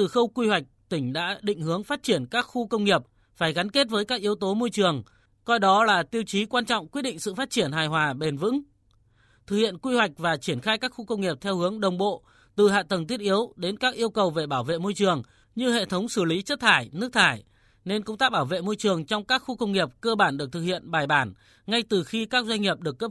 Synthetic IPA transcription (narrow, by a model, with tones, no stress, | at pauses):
t̪ɨ˨˩xə˧wkwi˧hwa˨˩jk̟̚t̪ï˧˩ŋ̟ɗa̰ː˧˥ɗḭ̈˧˨ŋ̟hɨ˨˦əŋfaː˦˥t̚t͡ɕi˧˩ənkaː˦˥k̚xu˧kə˧wŋ͡mŋi˨˩əp̚ | faː˧˩jɣa˨˦nke˦˥t̚vəː˨˦jkaː˦˥k̚ʔi˨˦əwt̪o˨˦mo˧jt͡ɕɨ˨˩əŋ | kɔ˧jɗɔ˨˦laː˨˩t̪i˧əwt͡ɕi˨˦kwaː˧nt͡ɕɔ̰˧˨wŋ͡mkwi˦˥t̚ɗḭ˧˨ŋ̟sɨ̰˧˨faː˦˥t̚t͡ɕi˧˩ənɦaː˨˩jhwaː˨˩ɓe˨˩nvɨ̰˧˥ŋ | t̪ʰɨ˨˩hḭ˧˨ənkwi˧hwa˨˩jk̟̚vaː˨˩t͡ɕi˧˩ənxaː˧jkaː˦˥k̚xu˧kə˧wŋ͡mŋi˨˩əp̚t̪ʰɛ˧whɨ˨˦əŋɗə˨˩wŋ͡mɓo̰˧˨ | t̪ɨ˨˩ha̰ː˧˨t̪ə˨˩ŋt̪̬i˦˥ət̚ʔi˨˦əwɗe˨˦nkaː˦˥k̚ʔi˧əwkə˨˩wve˨˩ɓaː˧˩wvḛ˧˨mo˧jt͡ɕɨ˨˩əŋ | ɲɨ˧hḛ˧˨t̪ʰə˨˦wŋ͡msɨ˧˩li˨˦t͡ɕə˦˥t̚t̪ʰaː˧˩jnɨ˦˥ək̚t̪ʰaː˧˩j | ne˧nkə̰˧˨ŋ͡mt̪aː˦˥k̚ɓaː˧˩wvḛ˧˨mo˧jt͡ɕɨ˨˩əŋt͡ɕɔ˧wŋ͡mkaː˦˥k̚xu˧kə˧wŋ͡mŋi˨˩əp̚kəː˧ɓaː˧˩nɗɨ˨˩ək̚t̪ʰɨ˨˩khḭ˧˨ənɓaː˨˩jɓaː˧˩n | ŋa˧jt̪ɨ˨˩xi˧kaː˦˥k̚zwa˧jŋ̟ŋi˨˩əp̚ɗɨ˨˩ək̚ːə˦˥p̚